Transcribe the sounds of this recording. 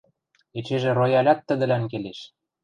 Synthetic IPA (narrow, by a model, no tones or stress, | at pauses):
et͡ɕeʒĕrojɑlʲɑt̪ːə̆d̪ə̆lænkeleʃ